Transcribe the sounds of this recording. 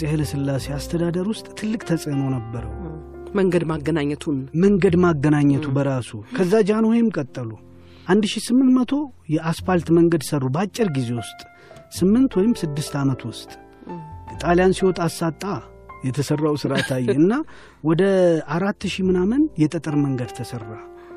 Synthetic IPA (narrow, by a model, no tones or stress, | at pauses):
sʼehləsɨlːase̞ast̪ʰəd̪ad̪əɾwʊst̪ʼt̪ʰɨlːɨkʼt̪ʰəsʼənəwnəbːəɾə̰w | məŋɡəd̪maɡənaɲːɛt̪ʰunməŋɡəd̪maɡːənaɲːət̪ʰubəɾasukʰəzːad͡ʒɪhanhojɪmkʼət̪ʼːəlu | ʔand̪ʃisɨmːɨnt̪mət̪ʰo̞jɛʔasfalt̪məŋɡəd̪sərːubat͡ʃʼːɪɾɡize̞wʊst̪ʼ | sɨmːɨnt̪wɔjɪmsɨd̪ːɨst̪ʰamət̪wʊst̪ʼ | t̪ʼaljansiwot̪ʼasːat̪ʼːa | jɛt̪ʰəsərːawsɨɾat̪ʰajːɛɨnːa | wɔd̪əaɾat̪ːʃimɨnamənjɛt̪ʼət̪ʼɨɾməŋɡəd̪t̪ʰəsərːa